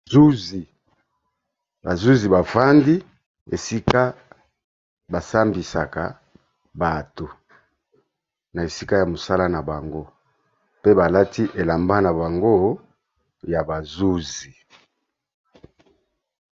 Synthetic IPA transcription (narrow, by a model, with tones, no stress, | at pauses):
u˦zi˨ | ba˨zu˦zi˨ba˨fa˦ndi˦ | ḛ˨si˦ka˦ | ba˨sa˦mbi˨sa̰˨ka˨ | ba˨to˨ | na˨e˨si˦ka˦ja˨mo˨sa˦la˦na˨ba˨ŋɡo˦ | pe˦ba˨la˦tʰi˦ʔe˨la˨mba˦na˨ba˨ŋɡo˦ | ja˨ba˨zu˦zi˨